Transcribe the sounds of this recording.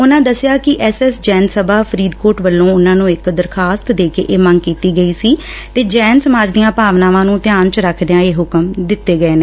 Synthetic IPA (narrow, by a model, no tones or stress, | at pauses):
ʊnãːd̪əsɪjaːkɪʔɛːsɛːsd͡ʒɛːnsəbaːpʰəɾiːd̪koːʈʋəlːõːʊnãːnũːɪkd̪əɾkʰaːst̪d̪eːkḛːʔeːməŋɡ̚kiːt̪iːɡəiːsiː | t̪eːd͡ʒɛːnsəmaːd͡ʒd̪ijãːpaːʋnãːʋãːnũːt̪ɪjaːnt͡ʃɾəkʰd̪eãːeːɦʊkəmd̪ɪt̪ːeːɡəeːneː